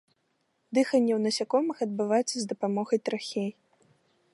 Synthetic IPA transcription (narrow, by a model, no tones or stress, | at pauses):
d̪ɨxɐnʲːɛwnɐsʲakɔmɨxɐd̪̚bɨvajt̪t͡s̪ʲːɐzd̪ɐpamɔɣɐjt̪ɾaxʲej